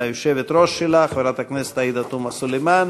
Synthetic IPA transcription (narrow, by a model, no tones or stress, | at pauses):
ajoʃevet̪ɾoʃːelaχveɾat̪akneset̪ajid̪at̪umasulejman